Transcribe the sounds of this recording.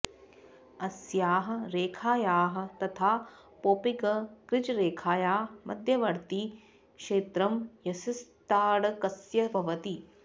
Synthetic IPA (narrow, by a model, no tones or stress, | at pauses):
ɐsjaːɦɐ̆ɾeːkʰaːjaːɦɐ̆t̪ɐt̪ʰaː | poːpiɡɐkɾɪd͡ʒɾeːkʰaːjaːmʔɐ̰d̪ʱjɐʋɐɾt̪i | kʃeːt̪ɾɐmjɐsist̪aːɽɐkɐsjɐbʱɐʋɐt̪i